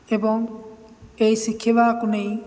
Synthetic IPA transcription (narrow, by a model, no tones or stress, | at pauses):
ebɔŋ | ejsikʰebakunej